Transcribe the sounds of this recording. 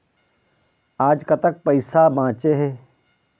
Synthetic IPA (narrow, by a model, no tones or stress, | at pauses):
aːd͡ʒkɐt̪ək̚pɐɪsabãːt͡ʃeɦɛː